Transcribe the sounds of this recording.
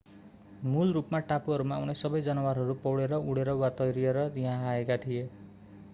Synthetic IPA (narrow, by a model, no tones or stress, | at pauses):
mulrupmaʈapuɦʌɾumaunesʌbʌjd͡zʌnʌwaɾɦʌɾupʌwɽeɾʌuɽeɾʌwat̪ʌjɾijeɾʌtiɦãaekat̪ʰije